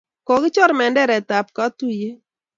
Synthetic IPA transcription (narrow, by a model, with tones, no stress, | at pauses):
kɔ˨kɪ˦t͡ʃɔ˦ɾmɛ˨ndɛ˦ɾɛ˨ta˨p̚ka˦tu˦je˦